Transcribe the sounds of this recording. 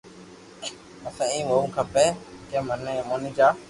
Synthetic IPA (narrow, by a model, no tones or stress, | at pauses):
əsãːĩːʋoːmkʰəpeːkẽːməneːmoːnĩːd͡ʒaː